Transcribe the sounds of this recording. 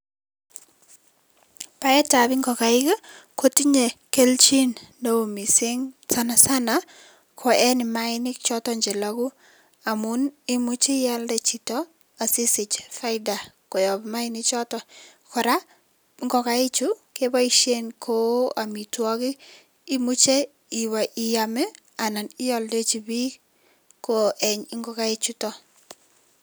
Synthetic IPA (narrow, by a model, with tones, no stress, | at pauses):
pa˦ɛ˦ta˨bɪ˦ŋɡɔ˨ka˨ɪ˦ka˦ko˦ti˦ɲe˨ke˦lt͡ʃi˦nno˦o˨mi˨sɪ˦ŋsa˦na˨sa˦na˦ | kʰɔ˨ʔɛ˦nɪ˨ma˦ɪ˦nɪ˦kt͡ʃɔ˦tɔ˦ɲd͡ʒɛ˨la˦ɡu˦ | a˨mu˦nɪ˦mu˦t͡ʃi˦ja˦ldɛ˨t͡ʃi˨tɔ˦ | a˨sɪ˦sɪ˨t͡ʃfa˦ɪda˨kɔ˨jɔ˨bma˦ɪ˦nɪ˦t͡ʃɔ˦tɔ˦ | kɔ˨ɾa˦ | ŋɡɔ˦ka˦e˦t͡ʃu˦ke˦ba˦i˦ʃe˦nkʰo˦a˨mi˨twɔ˦ɡɪː˦ | mu˦t͡ʃe˦ | i˨wa˨ʔi˨ja˨mɛ˦ | a˨na˨nɪ˦jɔ˦lde˦t͡ʃi˨bi˦ | ko˨ʔɛ˨ɲɪ˦ŋɡɔ˦ka˦e˦t͡ʃu˦tɔ˦